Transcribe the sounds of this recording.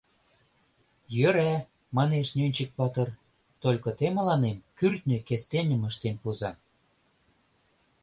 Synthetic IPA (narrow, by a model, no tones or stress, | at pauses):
jøɾæ | mɑneʃnʲønʲt͡ɕə̆k̚pɑt̪ɤ̆r | t̪olʲkɤ̆t̪emɤ̆lɑnemkyrt̪ʲnʲø̆kest̪enʲə̆mə̆ʃt̪enpuzɑ